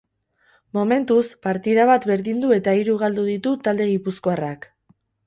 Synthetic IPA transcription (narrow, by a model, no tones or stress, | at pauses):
mo̞me̞nt̪uspaɾt̪ið̞aβ̞at̪βe̞ɾðind̪ue̞t̪aiɾuɣ̞ald̪uðit̪ut̪ald̪e̞ɣ̞ipuskoarak